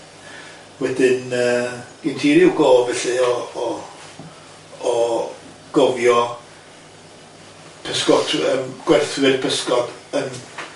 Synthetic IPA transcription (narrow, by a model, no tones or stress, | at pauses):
wɛdɪnəːɡ̥ɪntʰiːɾjuɡɔːlˠvɛɬɨɔ | ɡ̥ɔvjɔ | pʰəskɔtʰəmɡ̥wɛrθwɨd̥pʰəskɔd̥ən